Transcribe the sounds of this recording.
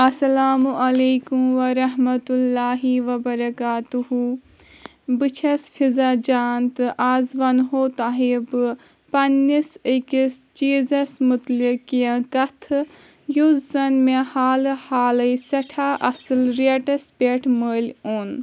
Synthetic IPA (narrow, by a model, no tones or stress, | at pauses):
ɐsɐlaːmuɐleːkumʋɐɾɐɦmɐt̪ulːaːɦiʋɐbɐɾɐkaːt̪uɦu | bɨt͡ʃʰɐsfʰizad͡ʒaːnt̪ɨʔaːzʋɐnɦoːt̪aːɦibɨ | pɐnːisikist͡ʃiːzɐsmut̪likijɐ̃kɐt̪ʰ | juzzɐnmehaːlhaːlɐjsɐʈʰaʔɐsɨlɾeʈɐspʲeːʈʰməːlʲoːn